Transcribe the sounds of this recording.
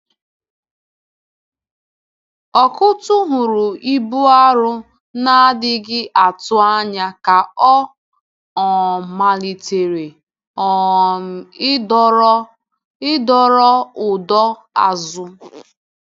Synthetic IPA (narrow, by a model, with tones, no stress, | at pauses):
ɔ˨kʊ˦tʊ˦ɦʊ˨ɾʊ˨i˦bu˦a˦ɾʊ˦ | na˦dɪ˦ɡɪ˦ʔa˨tʊ˦a˦ɲa˦ka˨ɔ˦ | ɔ˨ma˨li˨te˨ɾe˨˦ | ɪ˦dɔ˦ɾɔ˦ʊ˨dɔ˦ | a̰˨zʊ˦